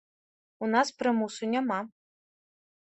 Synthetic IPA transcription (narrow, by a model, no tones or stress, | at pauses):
unaspɾɨmusunʲama